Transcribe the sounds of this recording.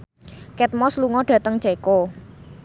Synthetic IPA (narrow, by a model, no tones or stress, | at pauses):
kɛt̪̚mɔsluŋɔɖ̥ä̤t̪əŋ̥ʒ̥ako